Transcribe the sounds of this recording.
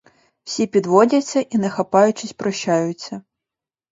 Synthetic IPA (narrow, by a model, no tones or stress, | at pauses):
w̥sʲipʲid̪vɔd͡zʲɐsʲːɐʔinɐxapajut͡ʃɪsʲpɾʔɐɕːajut͡sʲːɐ